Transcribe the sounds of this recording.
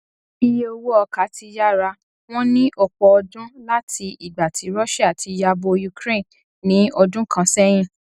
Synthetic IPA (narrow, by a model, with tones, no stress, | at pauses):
i˧je˦o˧wo˦ɔ˧ka˨˦ti˧ja˦ɾa˧ | w̃ɔ̃˦nĩ˦ʔɔ˦˨k͡pɔ˨ɔ˧dũ˦la˦tʰi˧i˨ɡ͡ba˨tʰi˨˦ɾɔ˦ʃa˦a˨tʰi˨˧ja˧bo˧ju˧kɾe˦˨n | nĩ˨˦ɔ˧dũ˦kʰã˧sɛ˦j̃ĩ˦˨